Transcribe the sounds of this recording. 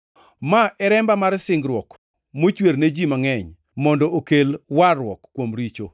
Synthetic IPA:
maʔɛɾɛmbamaɾsɪŋɡɾwɔk | mot͡ʃwerned͡ʒimaŋɛɲ | mɔndɔʔokelwarwɔkːwomɾit͡ʃo

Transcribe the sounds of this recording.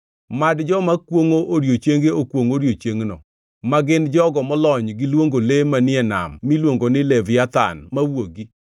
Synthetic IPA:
madd͡ʒɔmakwoŋoʔoɾjot͡ʃeŋɡeokwoŋoɾjot͡ʃeŋnɔ̰ | maɡɪnd͡ʒɔɡɔmɔlɔɲɡɪlwoŋɡolemanɪɛna̰mːilwoŋɡonɪlɛvɪjat̪a̰nmawoɡi

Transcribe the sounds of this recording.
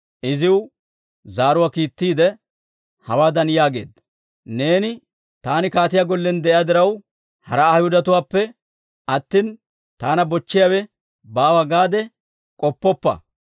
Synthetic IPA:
ʔɪzɪw | zaːɾʊwaːkiːt̪ːiːd̪ɛ | hɐwaːd̪ɐnjaːɡe̞̰ːd̪ːɐ | ne̞ːnɪ | t̪aːnɪkaːt̪ɪjaɡɔlːɛnd̪ɛʔɪjad̪ɪɾɐw | hɐɾɐaːhʊd̪ɐt̪ʊwaːpːɛ | ʔɐt̪ːin | t̪aːnɐbɔt͡ʃːɪjawɛ | baːwaɡaːd̪ɛ | kʼɔpːɔpːɐ̰

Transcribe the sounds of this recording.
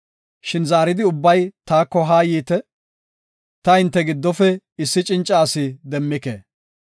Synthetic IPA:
ʃɪnzaːɾɪd̪ɪʊbːɐjt̪aːkːɔɦaːjiːt̪ɛ | t̪ɐɪnt̪ːɛɡɪd̪ːɔfɛ | ɪsːɪt͡ʃʼɪnt͡ʃʼːaːsɪd̪ɛmːɪkḛː

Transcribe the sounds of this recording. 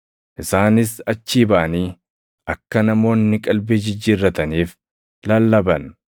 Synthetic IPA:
ʔɪsaːnɪsɐt͡ʃːiːbɐʔɐniː | ʔɐkːɐnɐmo̞ːnːɪkʼɐlbed͡ʒɪd͡ʒːɪrːɐt̪ɐniːf | lɐlːɐbɐn

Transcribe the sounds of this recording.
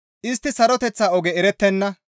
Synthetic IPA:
ʔɪst̪ːɪsɐɾɔt̪ɛt͡sːaːɔɡɛɛɾɛt̪ːɛnːɐ

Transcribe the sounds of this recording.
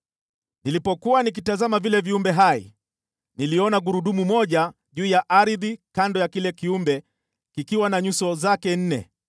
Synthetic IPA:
nilipɔkuwanik̬itazamavilɛviumbɛɦaḭ | niliɔnaɡuɾuɗumumɔʄa | ʄuːjaʔaɾiðikandɔjakilɛkiumbɛ | kikiwanaɲusɔzakɛn̩nɛ̰

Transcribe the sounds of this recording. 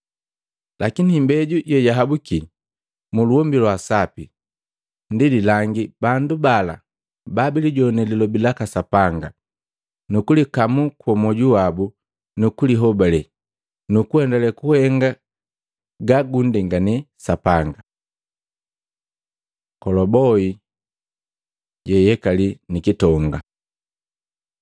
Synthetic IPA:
lʔakinimbɛɟuɟɔjaɦabuki | muluɔmbilwasapi | ndililaŋɡibandubala̰ | babiliɟɔnɛlilɔbilakasapaŋɡa | nukulikamukwɔmɔɟuwabu | nukuliɦɔbalɛ | nukuɛndalɛkuhɛŋɡa | ɡaɡundɛŋɡanɛ | sapaŋɡa | kɔlɔbɔi | ɟɛjɛkalinikitɔŋɡa̰

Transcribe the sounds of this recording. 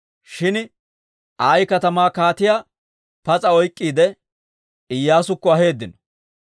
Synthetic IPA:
ʃɪn | aːjkɐt̪ɐmaːkaːt̪ɪjaː | pɐt͡sʼɐɔjkʼːiːd̪ɛ | ɪjːaːsʊkːɔɐɦe̞ːd̪ːɪnɔ̥

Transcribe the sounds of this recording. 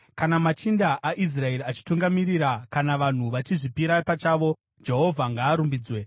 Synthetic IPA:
kanamat͡ʃindaʔaʔis̬rae̞ɾiat͡ʃi̥tuŋɡamiɾiɾakanaʋan̤uʋat͡ʃiʐipiɾapat͡ʃaːʋo̞ | d͡ʒe̞ɦo̞vʱaŋɡaːɾumbiːd͡zwe

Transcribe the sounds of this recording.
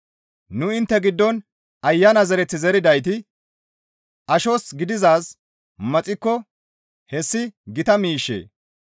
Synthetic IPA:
nʊɪnt̪ːɛɡɪd̪ːɔn | ɐjːɐnɐzɛɾɛt͡sːɪzɛɾɪd̪ɐjt̪ɪ | ʔɐʃosɡɪd̪ɪzaːs | mɐt͡sʼɪkːɔ | hɛsːɪɡɪt̪ɐmiːʃːḛː

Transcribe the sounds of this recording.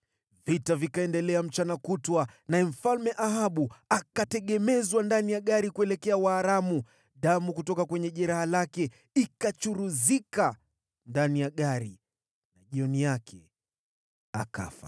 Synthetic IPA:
vitavikaɛndɛlɛam̩t͡ʃanakutwanaɛm̩falmɛʔaɦaɓuakatɛɠɛmɛzwandanijaɠaɾikuɛlɛkɛawaːɾamu | ɗamukutɔkakwɛɲɛʄɛɾahalakɛ | ikat͡ʃuɾuzika | ndanijaɠaɾi | naʄiɔnijakʰɛ | a̰ka̰fa̰

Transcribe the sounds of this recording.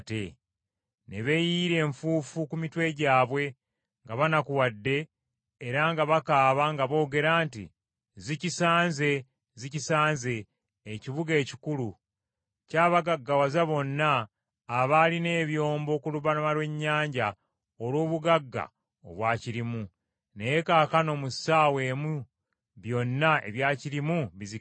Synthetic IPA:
te | ne̞βe̞jiɾe̞ːɱfuːfukumitwe̞ɟaːβwe̞ | ŋɡaβanakuwadːe̞ː | ɾaŋɡaβakaːβaŋɡaβo̞ːɡe̞ɾaːntḭ | zicisaːnze̞ | zicisaːnze̞ː | ciβuɡe̞ːci̥kulu | caːβaɡaɡːawazaβo̞nːaː | βaline̞ːβjo̞ːmbo̞ːkuluβanumalwe̞ɲːaːɲɟa | olwo̞ːβuɡaɡːa̰ | o̰βwaːciɾimu | nejekaːkano̞musaːwe̞ːmu | βjo̞nːae̞̰βjaːciɾimuβizi

